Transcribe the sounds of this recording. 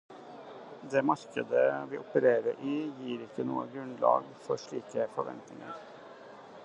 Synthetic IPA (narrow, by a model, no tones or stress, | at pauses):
d̪eːmɑɾkəd̪əʋiːʔʊpəɾeːɾəɾʔijiːɾɪkːənṵːə̰ɡɾʉnlɑ̰ːɡfɔʂɭiːkəfɔɾʋɛ̰nt̪nɪŋə̰ɾ